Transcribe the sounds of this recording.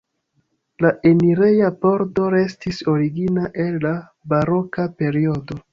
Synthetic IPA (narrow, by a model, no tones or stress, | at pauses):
laʔe̞niɾe̞japo̞ɾto̞ɾe̞stiso̞ɾiɡinaʔe̞lːa | baɾo̞kape̞ɾio̞do̞